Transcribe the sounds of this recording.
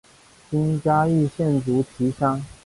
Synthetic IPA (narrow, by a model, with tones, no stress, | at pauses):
t͡ɕi˥nt͡ɕja˥i˥˧ɕjɛ˥˩nt͡su˧˥t͡ɕʰi˧˥ɕɑ˥ŋ